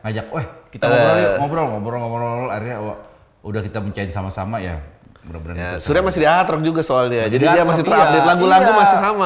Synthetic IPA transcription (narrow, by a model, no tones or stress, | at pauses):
ŋad͡ʒak̚ɛhkit̪aɔamɔbəɾɔlmɔbɾɔlɔbɾɔlaɾjawa | udahkit̪aməɲt͡ʃaɪnsamasamaja̰ | bəɾabənajsuɾiamasihdiaɦat̪ɾɔk̚d͡ʒuɡasoalniad͡ʒadidiamasit̪əɾab̚dɪt̪laɡulaɡumasisama